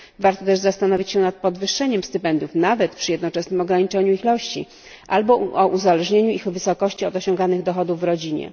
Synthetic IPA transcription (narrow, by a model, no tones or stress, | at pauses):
vaɾt̪ɔt̪ɛʐzast̪anɔvʲit͡ɕɕɛnat̪̚pɔd̪vɘʂːɛɲɛmst̪ɘpɛnd̪ʲjufnavɛt̪pʂɘjɛd̪nɔt͡ʂɛsnɘmɔɡɾaɲit͡ʂɛɲuixlɔɕt͡ɕḭ | ʔalbɔɔʔuzalɛʐɲeɲuixvɘsɔkɔɕt͡ɕiɔd̪ɔɕɔŋɡanɘɣd̪ɔxɔd̪uvːɾɔd͡ʑiɲɛ̰